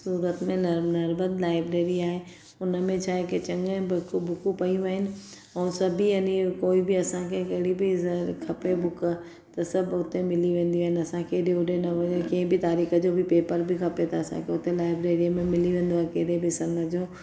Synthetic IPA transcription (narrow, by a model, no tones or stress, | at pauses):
suːɾət̪mẽnɐɾbət̪laːɪbɾeːɾiaːɦe | ʊnəmẽt͡ɕʰaːɦeket͡ɕɐ̃ŋɡə̃bʊkbʊkũpɐiũʋɐɦɪnɪ̆ | ɛ̃ːsɐbʱiɐnikoːibiɐsãkʰekɐɦɪɽibʱɪkʰɐpebʊkə | t̪ɐsɐbʱʊt̪emɪliʋẽːn̆d̪iaɦɪnɐsãkʰeɗeʊɖenɐʋkɐɦɪ̃bʱɪt̪aːɾiːxəd͡ʑoːbɪpeːpəɾbʱɪkʰɐpet̪ʰɐɐsã̰kʰeʊt̪elaːɪbɾeːɾimẽmɪliʋẽːn̆d̪oaːɦekeɦɾebɪsɐməd͡ʑoː